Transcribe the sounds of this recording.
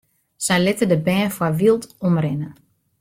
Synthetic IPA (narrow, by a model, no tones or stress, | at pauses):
sɛjlɪtədəbɛːfwaʋilˠtɔmrɪnə